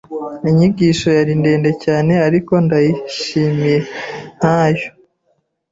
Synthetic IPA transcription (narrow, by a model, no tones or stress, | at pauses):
iɲiɟiːʃo̞jaɾinde̞ːnde̞caːne̞aɾiko̞ndajiʃimiɾen̥haːjo